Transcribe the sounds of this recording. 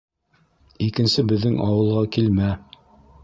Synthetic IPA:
ikɘ̆nsɘbɘ̆ðːɘŋɑwɤ̆lˠʁɑkilmæ

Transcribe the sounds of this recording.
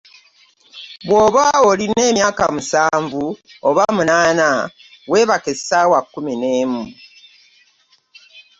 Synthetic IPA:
βwoːβaoline̞ːmjaːkamusaːɱvuoβamunaːna | we̞βakesawakːumineːmu

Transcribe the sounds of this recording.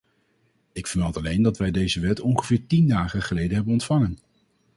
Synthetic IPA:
ɪkfəɹmɛlˠtɑlejndɑtʋɛjdejzəʋɛtɔnχəv̥ɪːɹtindaːχəχəlejdəɦɛbənɔntfɑŋən

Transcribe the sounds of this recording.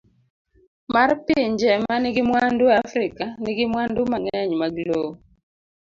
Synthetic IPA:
marpɪɲd͡ʒɛmanɪɡɪmwanduafɾɪkaniɡɪmwandʊmaŋɛɲmaɡlo

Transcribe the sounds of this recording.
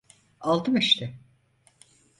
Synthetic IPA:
alˠt̪ʰɯmiʃt̪ʰɪ

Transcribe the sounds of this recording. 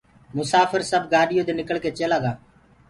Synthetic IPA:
mʊsaːpʰəɾsəbɡaːɖɪjõːd̪eːnɪkəɭkeːt͡ʃeːlaːɡaː

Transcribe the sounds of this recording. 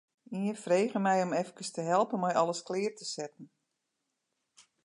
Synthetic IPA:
iənfreːɣəmɛjɔmɛfkəstəɦɛlˠpənmɔjʔɔləsklɪːrtəsɛtn̩

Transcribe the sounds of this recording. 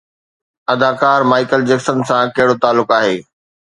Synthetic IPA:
ɐd̪akaːɾmaːɪkəld͡ʑeksənsãkɐɦɪɽot̪aːlːʊkaːɦeː

